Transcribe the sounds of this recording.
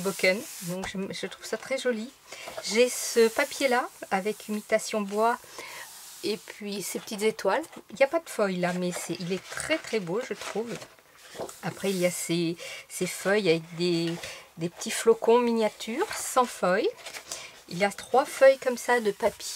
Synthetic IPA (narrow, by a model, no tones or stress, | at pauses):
bokɛnd̪ɔ̃kʒəʒət̪χuv̥sat̪χɛʒɔli | ʒesəpapjelaavɛkʰymit̪asjɔ̃bwa | epɥisepə̥t̪it̪zet̪waliljapad̪əfœjlamɛsɛʔilɛt̪χɛt̪χɛboʒət̪χuv | apχɛilijasesefœjavɛk̚d̪ed̪epə̥t̪ʰiflɔkɔ̃minjat̪ʰyʁsɑ̃fœj | iljat̪χwafœjkɔmsad̪əpapje